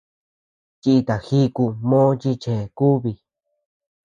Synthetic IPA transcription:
t͡ʃi˦˧i˧t̪a˨xi˦ku˧mõː˦˧t͡ʃi˧t͡ʃe˨ku˦βi˧

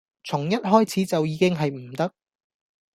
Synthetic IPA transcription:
t͡sʰʊ˨˩ŋjɐ˥t̚ɦɔː˥jt͡sʰiː˨˥t͡sɐ˨wjiː˨˧kɪ˥ŋɦɐ˨jm̩˨˩t̪ɐ˥k̚

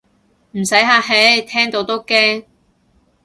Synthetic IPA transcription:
m̩˨˩sɐ˨˥jɦaː˧ɦe˨˥jt̪ʰɛː˥ŋt̪o˨˧˥wt̪o˥wkɛː˥ŋ

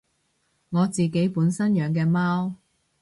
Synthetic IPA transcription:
ŋɔː˨˧t͡siː˨ke˨˥jpuː˨˥nsɐ˥njœː˨˧ŋk̬ɛː˧maː˥w

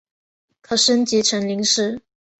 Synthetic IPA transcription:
kʰɤ˨˩ʂə˥nt͡ɕi˧˥ʈ͡ʂʰə˧˥ŋli˧˥ŋʂɻ̩˥˩

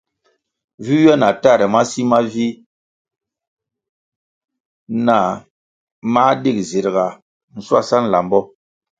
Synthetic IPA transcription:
vi˦jɛ˦na˨ta˦˨ɾɛ˨ma˦si˦ma˦vi˦ | na˨ | ma˦di˦kzi˨ɾɡa˨ | n̩˨swa˦˨sa˦n˨la˨mbɔ˦

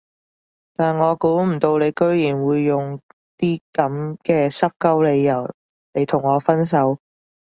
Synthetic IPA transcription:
t̪aː˨nŋɔː˨˧kuː˨˥m̩˨˩t̪o˧wle˨˧jkɵ˥ɥjiː˨˩nwuː˨˧jːʊ˨ŋ | t̪iː˥kɐ˨˥mkɛː˧sɐ˥p̚kɐ˥wle˨˧jːɐ˨˩w | ne˨˧jt̪ʰʊ˨˩ŋːɔː˨˧fɐ˥ns̬ɐ˨˥w

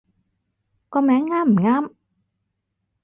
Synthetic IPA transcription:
kɔː˧mɛː˨˥ŋːaː˥m̩˨˩ŋaː˥m

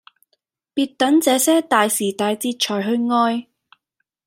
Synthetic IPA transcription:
piː˧t̚t̪ɐ˨˥nt͡sɛː˨˧sɛː˥t̪aː˨jsiː˨˩t̪aː˨jt͡siː˧t̚t͡ʃʰɔː˨˩jɦɵ˧ɥŋɔː˧j

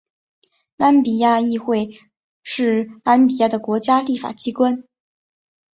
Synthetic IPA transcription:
na˧˥npi˨˩ja˥˧i˥˧xwe˥˧ɪ | ʂɻ̩˥˩na˧˥npi˨˩ja˥˩d̪ə˩kwɔ˧˥t͡ɕja˥li˥˩fa̰˨˩t͡ɕi˥kwa˥n

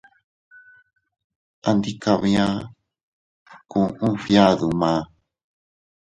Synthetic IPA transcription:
a˧nd̪i˦ka˧βi˧ã˦ | kũ˧˨ʔũ˦fja˦ðu˨mã˨˦

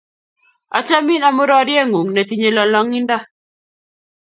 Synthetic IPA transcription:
a̰˨t͡ʃa˦mi˦na˨mʊ˦ɾɔ˦ɾjɛ˦ŋu˨ŋne˨t̪i˦ɲe˦lɔ˨lɔ˦ŋi˦nda˦

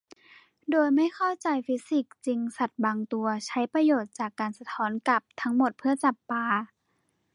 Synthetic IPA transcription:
doː˧jma˥˩jkʰa˥˩wt͡ɕa˨˧jfi˦˥si˨˩k̚t͡ɕi˧ŋsa˨˩t̪̚baː˧ŋt̪u˧ɐt͡ɕʰa˦˥jpa˧joː˨˩t̪̚t͡ɕaː˨˩kːaː˨˩nsa˧t̪ʰɔː˦˥nka˨˧˩p̚t̪ʰa˦˥ŋmo˨˩t̪̚pʰɯ˥˩ɐt͡ɕa˨˩pːaː˧

